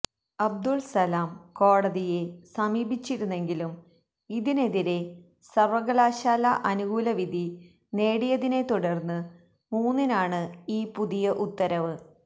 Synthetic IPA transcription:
ɐb̚d̪ulsɐlaːmko̞ːɽɐðije̞sɐmiːbʱit͡ɕːiɾunːe̞ŋɡilum | iðine̞ðiɾe̞ | sɐrʋɐɣɐlaːɕaːlɐʔɐnuɣuːlɐʋid̪ʱi | ne̞ːɽijɐðine̞t̪uɽɐrnːɨ | muːnːinaːɳɨiːpuðijɐʔut̪ːɐɾɐʋɨ

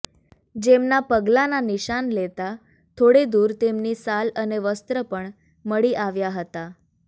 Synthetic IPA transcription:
d͡ʑemnapəɡlananiɕanlet̪a | t̪ʰoɽed̪uːɾt̪emniːsaləneʋəst̪ɾəpəɳ | məɽiːʔaʋjaɦət̪a

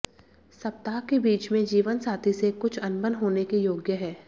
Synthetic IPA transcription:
sɐp̚t̪aːkebiːt͡ʃmẽd͡ʒiːʋənsaːt̪ʰisekʊt͡ʃʰɐnbənɦoːnekijoːɡjəɦɛː

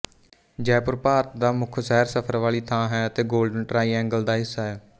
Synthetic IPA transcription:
d͡ʒɛːpʊɾpaːt̪̚d̪aːmʊkʰsɛːɾsəpʰəɾʋaːɭiːt̪ʰãːɦɛːət̪eːɡoːlɖənʈɾaːiːɛ̃ːŋɡəld̪aːɦɪsːaːɦɛː

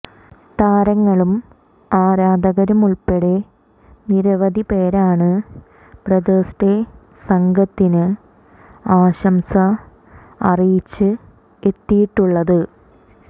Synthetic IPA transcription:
t̪aːɾɐŋːɐɭum | aːɾaːd̪ɐɣɐɾumuɭpeɽe̞ | niɾɐʋɐd̪ʱipe̞ːɾaːɳɨ | prɐd̪oːsʈe | sɐŋɡɐt̪ːinɨ | aːɕɐmsɐ | ɐrijit͡ɕːɨ | e̞t̪ːijiʈːuɭːɐðɨ

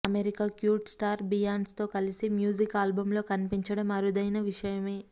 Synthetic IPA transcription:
ɐmeɾikaːkjuːʈsʈaːɾbijaːnst̪o̞ːkɐlisimjuːd͡ʒikaːlbɐmlo̞ːkɐnipiɲt͡ʃɐɽɐmɐɾud̪ɐjnɐʋiʂɐjɐmeː

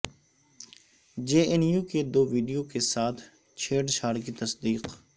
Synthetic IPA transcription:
d͡ʒeːɛnjuːked̪oːʋiːɖijokesaːt̪ʰ | t͡ʃʰeːɖʃʰaːɾkit̪ɐsd̪iːq

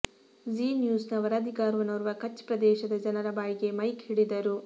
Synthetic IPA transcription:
d͡ʒiːnjuːsnɐʋɐɾaːd̪ʱiɡaːɾʋɐnɐɾuʋɐkɐt͡ʃːpɾɐd̪ɛːʃɐd̪ɐd͡ʒɐnɐɾɐbaːjɡe̞mɐjkhiɽid̪ɐɾu

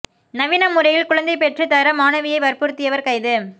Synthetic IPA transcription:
nɐʋɪnɐmːʊɾɐjɪlkʊɻɐnd̪ɐɪpɛʈrɯt̪ɐɾɐmaːnɐʋɪjɐɪʋɐɾpʊɾɯt̪ːɪjɐʋɐɾkɐɪðɯ

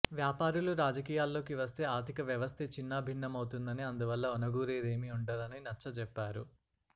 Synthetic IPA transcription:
ʋjaːpaːɾuluɾaːd͡ʒɐkiːjaːlːo̞ːkiʋɐst̪e̞ːaːɾt̪ʰikɐʋjɐʋɐst̪ʰet͡ʃinːɐbʱiɳːɐmɐwt̪und̪ɐniɐnd̪uʋɐlːɐɔnɐɡuːɾeːd̪e̞ːmiuɳɖɐd̪ɐninɐt͡ʃːɐt͡ʃɛpːaːɾu

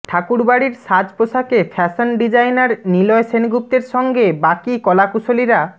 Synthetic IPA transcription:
ʈʰakuɾbaɽiɾʃad͡ʑpoʃakefʰɛsonɖid͡ʑajnaɾnilɔesenɡup̚t̪eɾʃɔŋɡebakikɔlakuʃoliɾa

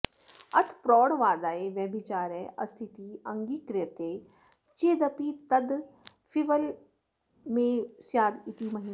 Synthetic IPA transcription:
ɐt̪ʰpɾɔːɽʋaːd̪aːeʋɐːbʱit͡ʃaːɾɛʔɐ̰st̪ʰit̪iːɐŋɡiːkɾɪət̪e | t͡ʃeːd̪ɐpit̪ɐd̪ | fʰiʋəl | mẽːsjaːd̪it̪iːmɐɦiː

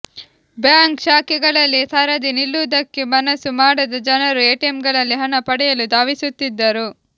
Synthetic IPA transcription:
bjaːŋkʃaːkiɡɐɭɐlːit̪ʰɐɾɐd̪inilːud̪ɐkːemɐnɐsumaːɽɐd̪ɐd͡ʒɐnɐɾueːʈemɡɐɭɐlːiɦɐnɐpɐɽɛjɐlud̪aːʋisut̪ːid̪ːɐɾu

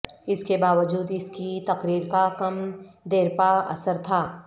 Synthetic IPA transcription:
ɪskebaːʋəd͡ʒuːd̪ɪskit̪ɐqɾiːɾkakɐmd̪eːɾpaɐ̰səɾt̪ʰaː

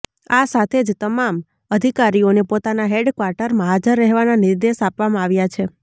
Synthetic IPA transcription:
asat̪ʰed͡ʒt̪əmam | əd̪ʱikaɾionepot̪anaɦeɖkʋaɾʈəɾmaɦad͡ʒəɾːəɦʋananɪɾd̪eʃapʋamãaʋjat͡ʃʰe

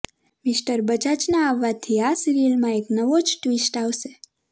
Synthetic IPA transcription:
mɪsʈəɾbəd͡ʒat͡ʃnaːʋːat̪ʰiasiɾilmãeknəʋod͡ʒʈʋisʈaʋʃe

